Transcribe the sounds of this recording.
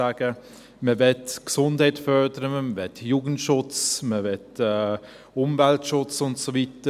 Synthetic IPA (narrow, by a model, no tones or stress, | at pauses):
aːɡ̥ə | məvɛtksʊndhɛɪtfœɾdəɾəməməvɛtjuːɡən̩tʃʊt͡sməvɛtɛ | ʊmvɛltʃʊt͡sʊntsovitə